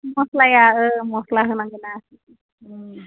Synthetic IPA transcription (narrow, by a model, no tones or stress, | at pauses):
moslajaəmoslaɦɯnaŋɡənasi